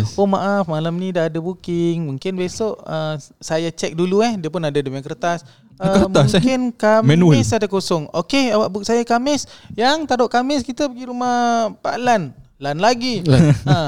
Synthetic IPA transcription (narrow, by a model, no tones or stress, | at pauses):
omaʔafmalamnidaːdabukɪŋmuŋkɪnbesoʔəsajat͡ʃɛk̚duluɛhdiəpʊnadademakərt̪as | əmasŋkɪnkamɛɪsadakosɔŋokeawaʔbʊk̚sajakamɪsjaŋt̪aɾoʔkamɪskit̪əpəɡiɾumahpa̰ʔlan | lanlaɡia